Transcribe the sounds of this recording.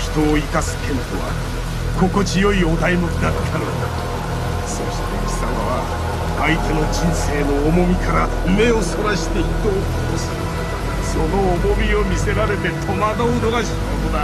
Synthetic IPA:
çi̥t̪o̞ːikasɨ̥kẽ̞nt̪o̞βa̰ | ko̞ko̞t͡ɕijo̞io̞d̪aimokid̪at̪ʰːanod̪a | so̞ɕi̥t̪e̞ɡi̥samaβa | ait̪e̞no̞d͡ʑĩɰ̃se̞ːnoːmo̞mʲikaɾa | ɯme̞o̞so̞ɾaɕi̥t̪e̞it̪oːkʰot̪osɨ | so̞no̞ːmo̞mʲio̞mʲise̞ɾaɾe̞t̪e̞t̪ʰo̞mad̪oɯnoɡaɕikot̪od̪a

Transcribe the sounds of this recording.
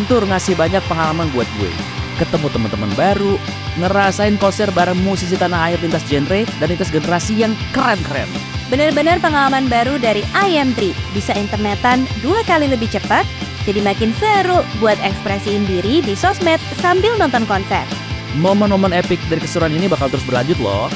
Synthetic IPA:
nt̪ʊrŋasɪhbaɲak̚pəŋalamanbuat̪̚buḭkət̪əmut̪əmənt̪əmanbaɾu | ŋəɾasaɪnkɔnsɛr̚baɾaŋmusis̬ik̪anaːɪrlint̪asd͡ʒɛnɾet̪̚danit̪asɡənəɾasijaŋkəɾɛnkəɾɛ̰nbənərbənərpəŋalamanbaɾudaɾiʔajɛmt̪ɾibisaint̪ərnət̪anduakaliləbɪht͡ʃəpat̪̚d͡ʒadimakɪnsəɾuʔbuat̪̚ɛkspɾɛsiːndiɾidisɔsmɛt̪̚sambɪlnɔnt̪ɔnkɔnsɛ̰r̚ | momənmomənepɪk̚daɾikəsuɾuaninibahkalt̪əɾʊs̬bərlaɲd͡ʒʊt̪̚lɔ̰

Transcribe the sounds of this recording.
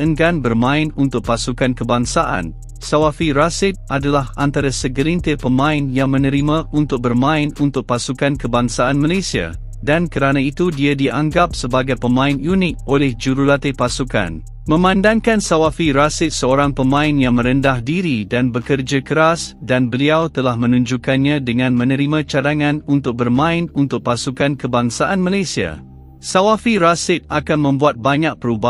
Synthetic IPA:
əŋɡanbərmãɪnunt̪ʊk̚pasukankəbaŋsaʔa̰n | sawafiɾasɪt̪̚ʔadalaɦant̪aɾasəɡəɾint̪əpəmãɪnjaŋmə̃nə̃ɾimãunt̪ʊk̚bərmãɪnunt̪ʊk̚pasukankəbaŋsaanmalesia̰ | dankəɾanãit̪udiadiʔa̰ŋɡap̚səbaɡajpəmãɪnjunɪt̪̚ʔolɛhd͡ʒuɾulat̪epasuka̰n | mə̃mãndaŋkansawafiɾasɪt̪̚səoɾaŋpəmãɪnjaŋmə̃ɾəndahdiɾidanbəkərd͡ʒakəɾasdanbəliawt̪əlahmə̃nũɲd͡ʒukanɲãdəŋãnmə̃nəɾimãt͡ʃadaŋãnunt̪ʊk̚bərmãɪnunt̪ʊk̚pasukankəbaŋsaʔanmalasia̰ | sawafiɾasɪt̪̚akanmə̃mbuat̪̚baɲak̚pəɾuba

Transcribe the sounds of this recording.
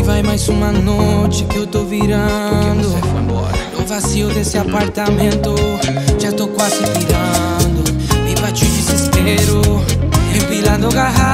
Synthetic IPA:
ɪvajmajzũmɐnot͡ʃɪkɪewt̪owviɾɐd̪ʊ | ewvasiʊd̪esɪapaɾt̪amẽnt̪ʊʒat̪owkwazɪviɾɐ̃ | nd̪ʊ | epat͡ʃiwd͡ʒizispeɾʊ | hepilɐ̃nd̪ʊɡaɦa

